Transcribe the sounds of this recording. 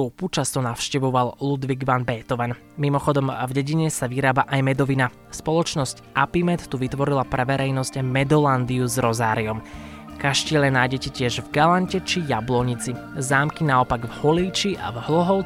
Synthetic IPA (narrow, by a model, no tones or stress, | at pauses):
uput͡ʃast̪ɔnaʊʃcɛʋɔʋallud̪ʋiɡʋanbɛːt̪ɔʋɛn | mimɔxɔd̪ɔmvɟɛɟiɲɛsaʋiɾaːbaʔajmɛd̪ɔʋina | spɔlɔt͡ʃnɔscʔapimɛt̪ːuʋit̪ʋɔɾilapɾɛʋɛɾɛjnɔscmɛd̪ɔland̪iuzɾɔzaːɾiɔmkaʃcilɛnaːjɟɛcɛcɪɛʒvɡalaɲcɛt͡ʃijablɔɲit͡sizaːmkinaɔpaɡvhɔliːt͡ʃiʔa̰vɦlɔɦɔʊ